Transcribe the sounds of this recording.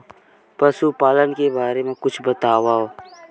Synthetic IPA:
pɐsupaːlənkebaːɾemẽkʊt͡ʃʰbɐt̪aːʋaoː

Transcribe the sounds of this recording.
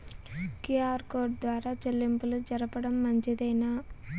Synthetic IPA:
kijaːɾkoːʈ̚d̪ʋaːɾaːt͡ʃɐlːimpulud͡ʒɐɾɐpɐɽɐmːɐɲt͡ʃid̪ɐjna

